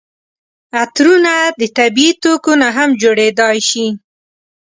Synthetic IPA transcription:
at̪ɾunad̪ət̪abiit̪okonaɦamd͡ʒoɽed̪ɑjʃi

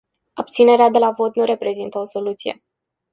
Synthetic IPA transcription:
ab̚t̪sine̞ɾead̪e̞lavo̞t̪nuɾe̞pɾe̞zint̪əo̞so̞lut̪sije̞̰

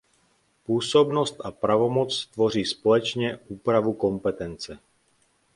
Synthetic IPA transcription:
puːsɔbnɔst̪apɾaʋɔmɔt͡st̪ʋɔɾiːspɔlɛt͡ʃɲɛuːpɾaʋukɔmpɛt̪ɛnt͡sɛ

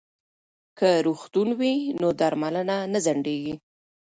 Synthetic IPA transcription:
kəɾuxt̪unwinod̪aɾmalənanazaɳɖeɡi

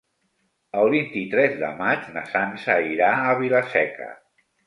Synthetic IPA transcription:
əlˠβint̪it̪ɾɛzðə̰mad͡ʒnəsansəiɾaəβiləsɛkə̰

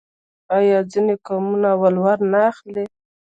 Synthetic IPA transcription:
ajɑd͡zinekɑmunawalwaɾnaːxle

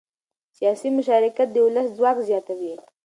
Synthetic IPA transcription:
sijɑsimʊʃɑɾɪkat̪̚d̪əʊlaszwɑkzjɑt̪awi

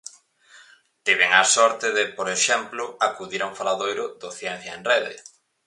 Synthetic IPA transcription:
t̪iβ̞eŋasɔɾt̪ɪðɪpoɾeʃɛmplʊakuðiɾoŋfalaðojɾʊðoθjɛn̟θjɐḛnreðḛ

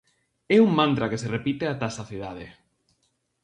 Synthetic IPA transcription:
ɛuŋmãnt̪ɾakeserepit̪eat̪asaθiðað̞e

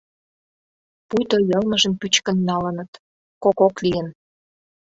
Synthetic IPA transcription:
pujt̪ojɤlmə̆ʒə̆mpyt͡ɕkə̆nːɑlə̆nə̆t̪ | kokoklijən

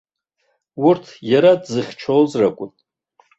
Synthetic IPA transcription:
wurtʰjaɾadzɨχʲt͡ʃʰolzrakʷʼʊn

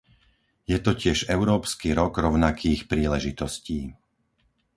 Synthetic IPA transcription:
jɛt̪ɔcɪɛʒɛʊɾɔːpskiɾɔɡɾɔʊnakʰiːxpɾiːlɛʒit̪ɔsciː

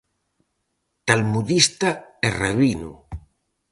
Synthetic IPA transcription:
t̪almuðist̪aereβinṵ

